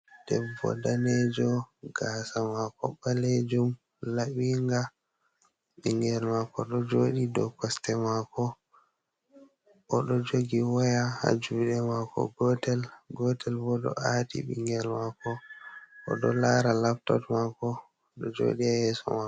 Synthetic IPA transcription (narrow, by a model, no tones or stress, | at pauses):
d̥ɛbɔ̰daned͡ʒɔɡasamakɔɓaled͡ʒum | laɓiŋɡa | ɓiŋɡɛlmakɔɗɔd͡ʒoːɗidɔkɔstɛmakɔ | ɗɔd͡ʒoɡiwajaha̰d͡ʒuɗɛmakɔ̰ɡɔtɛlɡɔtɛlbɔɗɔ̰ʔatḭɓḭŋɡɛlmakɔ | ɔ̰ɗɔlaɾalaftɔtmakɔ | ɗɔd͡ʒo̰ɗiahɛsɔ̰makɔ